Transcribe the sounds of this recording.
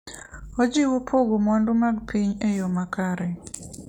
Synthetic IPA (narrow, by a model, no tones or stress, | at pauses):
ɔd͡ʒiwopʰoɡomɔndʊmaɡpʰiɲejomakaɾɛ